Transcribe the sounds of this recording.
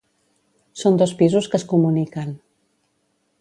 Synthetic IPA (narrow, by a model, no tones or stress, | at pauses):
sond̪ospizuskəskumunikan